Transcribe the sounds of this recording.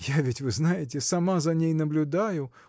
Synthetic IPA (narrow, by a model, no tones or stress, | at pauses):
javʲɪtʲvɨznajɪt̬ʲɪsɐmazɐnʲejnəblʲʊd̪ajʊ